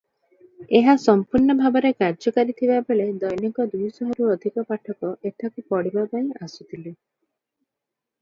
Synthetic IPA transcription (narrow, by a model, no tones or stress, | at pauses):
eɦasɔmpuɾɳɔbʱabɔɾekaɾd͡ʒɔkaɾit̪ʰibabeɭed̪ɔjnikɔd̪ujsɔɦɔɾuɔd̪ʱikɔpaʈʰɔkɔʔet̪ʰakupɔɽibapaj̃asut̪ʰile